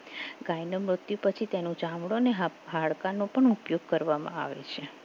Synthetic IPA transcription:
ɡajnəmɾʊt̪jupət͡ʃʰit̪enõd͡ʒamɽoneɦɦaɭkanopəɳupjoɡ̚kəɾʋamã̰a̰ʋḛt͡ʃʰe

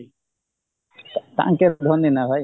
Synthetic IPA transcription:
t̪a̰ʔŋkɛd̪ʱɔninaɦɔj

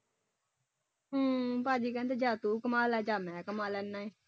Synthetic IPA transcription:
uːpaːd͡ʒiːkɛ̃ːnt̪ed͡ʒaːt̪uːkəmaːlɛːd͡ʒaːmɛ̃ːkəmaːlɛːnːaːeː

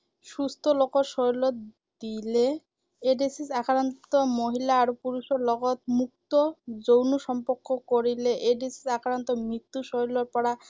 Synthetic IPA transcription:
sust̪ʰɔlokɔɾʃɔjlɔ | d̪ileː | ɖesisakʰɾant̪ɔmoɦilaːɾopuɾuʃɔɾlɔɡɔt̪mukt̪ɔd͡ʒownuʃɔmpɔɾkɔkoɾileʔeɖesi̥sakʰɾant̪ɔmit̪ːuʃɔjlɔɾpɔɽa

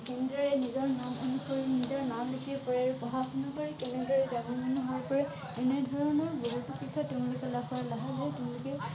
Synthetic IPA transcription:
kɛnɛdɹɔɹɛnizɔɹnamɔnukʰɔɹnizɔɹnamlikʰipɔɹɛɹpɔɦapʰɔnakɔɹikɛnɛdɔɹɛɡabʱimanɔɦɔpɔɹɛ | ɛnɛdʱɔɹɔnɔɹboɦupokɹikʰːatʊʊ̃nlʊkɛlaɔɹalaɦabɔjtʊʊ̃lʊkɛ

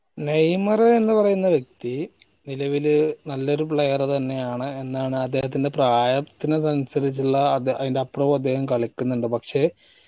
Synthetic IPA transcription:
nejmɐreenːɨpɐrɐjunːɐʋjek̚t̪i | nilɐʋilɨnɐlːo̞ɾupɭejɐrt̪ɐnːe̞jaːɳɨe̞nːaːɳɨɐd̪ːe̞ːhɐt̪ːinde̞praːjɐt̪ːinɨsɐnsɐɾit͡ɕːiɭːɐɐðindeɐproːʋɐd̪ːe̞ːhɐmkɐɭikʲːunːuɳɖɨpɐkʂe̞ː

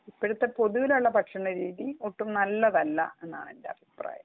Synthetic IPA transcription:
ipːɐɽut̪ːepo̞ðuʋiluɭːɐpɐʈʂɐɳɐɾiːðioʈːumnɐlːɐðɐlːɐ̰e̞nːa̰ːɳe̞ndeɐ̰bʱipra̰ːjɐm

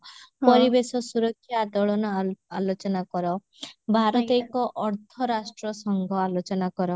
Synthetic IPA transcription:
pɔɾibesɔsuɾɔkʰːjaːd̪ɔɭɔnɔalot͡ʃɔnakɔɾɔ | bʱaɾɔt̪ekɔʔɔɾt̪ʰɔɾasʈɾɔsɔŋɡʱɔalot͡ʃɔnakɔɾɔ

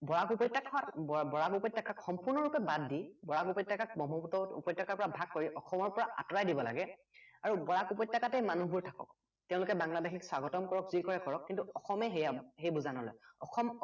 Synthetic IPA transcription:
bɔɹakupɔjtːakʰɔwatbbɔɹakupɔtːakakxɔmpuɹnɔɹupɛbadːibɔɹakupɔtːakak̚bɔmɔtɔtṵpɔtːakaɹpɔɹabʱak̚ːoɹiʔɔxɔmɔɹpɔɹaʔa̰tɔɹajdibɔla̰ɡɛ | aɹubɔɹakupɔtːakatɛmanuɦbuɹtʰakɔ̰k | teʊ̃lʊkɛbaŋladexʰikswaɡɔtɔmkɔɹɔkzikɔɹɛkɔɹɔkːintuɔxɔmɛɦejaɦejbuzanɔlɔ̰jɔ̰xɔm

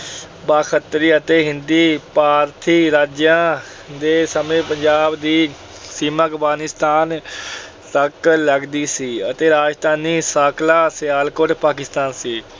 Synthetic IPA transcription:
baːkət̪ɾiːət̪eːɦɪnd̪iːpaːɾt̪ʰiːɾaːd͡ʒjãː | d̪eːsəmẽːpəɲd͡ʒaːbd̪iː | siːməkbɡaːnɪst̪aːn | t̪əkləɡd̪iːsiːət̪eːɾaːd͡ʒt̪aːniːsaːkʰlaːsɪjaːlkoʈpaːkɪst̪aːnsiː

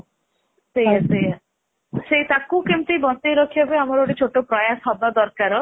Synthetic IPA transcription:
sejaseja | set̪akukemt̪ibɔnt̪eɾɔkʰiabeamɔɾoɽit͡ʃʰoʈopɾɔjasɔbad̪ɔɾkaɾɔ

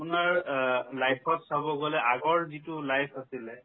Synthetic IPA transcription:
pʊnaɹlajpʰɔtsabɔɡɔlɛʔaɡɔɹzitʊlajpʰasilɛ

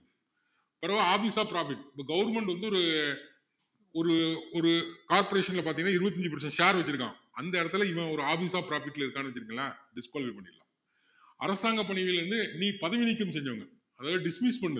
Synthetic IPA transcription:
pɐɾɐʋaaːfiːsaːpɪɾaːfɪʈːɪpːɐːɡɐʋɐɾmɛɳʈʋɐnd̪ɯɔɾɯ | ɔɾɯɔɾɯkaːɾpɔɾeːʂɐnɪlɐp̬aːɾt̪iŋɡnːaːɪɾɯʋɐt̪ːɪɲd͡ʒɯpɐɾt͡ʃːɐ̃ʃaːɾʋɐt͡ʃːɪɾɯkːã̰ː | ɐnd̪ɐɛːɾɐt̪ːɯlɐɪʋɐ̃ɔɾɯaːfiːsaːpɪɾaːfɪʈːɪlɪɾɯkːaːnɯʋɐt͡ʃːɪɾɯkːŋɐnːaːɖɪskoːlɐʋipɐɳːɪla̰ː | ʔɐ̰ɾɐsaːŋɡɐpːɐɳɪʋɛlɾɯnd̪ɯniːpɐðɐʋɪnɪkːɯmsɛɲd͡ʒɐʋɐŋɡɐ | ɐðaːlaːɖɪsmispɐɳːɯ

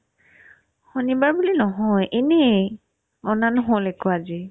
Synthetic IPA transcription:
xonibaɹbulinɔɦɔjʔene | ɔnanɦolɛkɔazi

